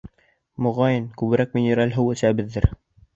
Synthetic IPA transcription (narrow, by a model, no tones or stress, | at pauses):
mŏʁɑjɤnkʉβɘ̆ɾæk̚mɪnʲĕɾɑlʲɦɘwɘ̆sæbɘðːɘɾ